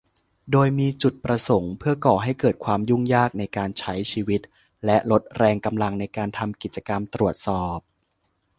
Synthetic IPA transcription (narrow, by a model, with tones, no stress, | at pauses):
doː˧jmiː˧t͡ɕu˨˩t̪̚pɾa˧so˩˦ŋpʰɯ˥˩ɐkɔː˨˩ɦa˥˩jkɤː˨˩t̪̚kʰwaː˧mju˥˩ŋjaː˥˩k̚na˧jkaː˧nt͡ɕʰa˦˥jt͡ɕʰiː˧wi˦˥t̪̚ | lɛ˦˥lo˦˥t̪̚ɾɛː˧ŋka˧mla˧ŋna˧jkaː˧nt̪ʰa˧mki˨˩t̪̚t͡ɕa˧ka˧mt̪ɾu˨˩ət̪̚sɔː˨˩p̚